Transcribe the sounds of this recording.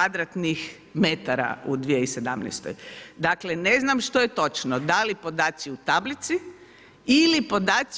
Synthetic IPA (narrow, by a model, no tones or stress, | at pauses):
ad̪ɾat̪nix | met̪aɾa̰ud̪ʋijeise̞d̪amnɛ̰jst̪o̰jd̪akleneznamʃt̪ojet̪o̞t͡ʃnod̪alipo̞d̪aːt̪siut̪ablit̪si | ilipod̪aːt̪s